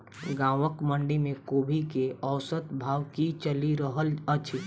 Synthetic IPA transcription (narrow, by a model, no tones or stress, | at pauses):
ɡãːʋəkməɳɖimẽkoːbʱikeəːsət̪bʱaːwkit͡ʃəliɾəɦələt͡ʃʰi